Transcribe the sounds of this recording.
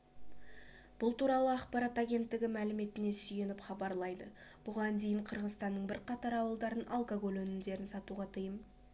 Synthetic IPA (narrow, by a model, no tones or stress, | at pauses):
b̥ʊlˠt̪uɾɑlˠəɑqpɑɾɑt̪aɡʲe̞nt̪ːɪɡʲɪmælɪme̞t̪ɪne̞sʏje̞nɪpχɑbɑɾlˠɑjd̪əb̥ʊʁɑnd̪ejɪɴqʰəɾʁəzt̪ɑnːəɴbɪɾqʰɑt̪ɑɾɑwəlˠd̪ɑɾənʔalˠkoɡo̞lˠwɵnɪmd̪e̞ɾɪnsɑt̪uʁɑt̪ʰəjəm